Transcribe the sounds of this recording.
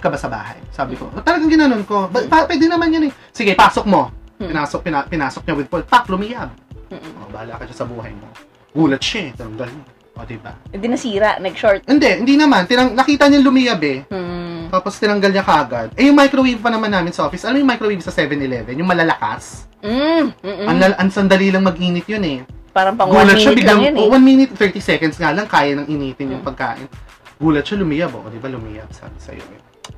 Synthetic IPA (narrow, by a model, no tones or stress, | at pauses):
kɐbasɐba̰ːɦɐ̰jsaːbɪko̞̰ʔot̪ɐlɐɡɐŋɡɪnɐnonko̞bɐpapwɛd̪ɛnɐmanjɐnɛ | sɪɡɐpaːsok̚mo̞pɪnaːsok̚pɪnapɪnaːsok̚ɲɐwɪd̪̚polpaklʊmɪjɐb̚ʔo̰baːla̰kɐʃɐsɐbuːɦɐ̰jmo̰ | ɡ̥uːlɐt̪̚ʃat̪ɪnɐŋɡɐlɲɐ | ʔod̪ɪba̰ɛd̪ɪnɐsiːɾɐ̰ʔmɛɡʃoɹt̪̚ʔɪnd̪ɛʔhɪnd̪inɐmant̪ɪnɐŋnɐkiːt̪ɐɲanlʊmɪjɐbɛ | t̪aːpo̞st̪ɪnɐŋɡɐlɲɐkɐʔɐɡad̪̚ɛjʊŋmajkɾowivpɐnɐmanːaːmɪnsɐʔo̞ːfɪsʔɐlamjʊŋmajkɾowivsɐsɛvɛnɪlɛvɛnjʊŋmɐlɐlɐka̰s̩ | ʔɐŋlɐʔɐŋsɐnd̪ɐlilɐŋmɐɡʔiːnɪt̪̚jonɛpaːɾɐŋpɐŋɡuːlɐt̪ʃabɪɡlɐmnowɐnminɪt̪̚θɛɹt̪isɛkɐnd̪sŋalɐŋkaːjɐnɐŋʔɪniːt̪ɪnjʊŋpɐɡ̚ka̰ːʔɪ̰n | ɡuːlɐt̪̚ʃalʊmɪjɐboʔod̪ɪbalʊmḭjɐ̰b̚sɐ̰sɐ̰jo̰ʔɛ̰